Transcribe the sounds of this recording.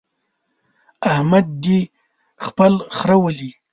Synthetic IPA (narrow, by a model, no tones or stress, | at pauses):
ahmad̪̚ːi | xpəlxɾawəli